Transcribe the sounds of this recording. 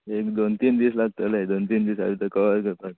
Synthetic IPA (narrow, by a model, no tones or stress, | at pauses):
ekd̪ont̪iːnd̪iːslak̚t̪əlaed̪ont̪iːnd̪iːsa̰d̪it̪əkəʋaɾɡəɾp̪a